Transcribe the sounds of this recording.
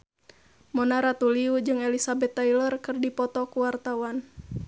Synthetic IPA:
mɔnaɾat̪uliud͡ʒɨŋɛlisabɛt̪ːailɔrkɨrdipɔt̪ɔkuwart̪awan

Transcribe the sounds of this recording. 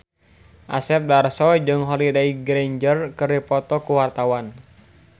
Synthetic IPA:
ʔa̰sɛp̚darsɔd͡ʒɨŋɦɔlidaiɡɾeɲd͡ʒərkɨripɔt̪ɔkuwart̪awan

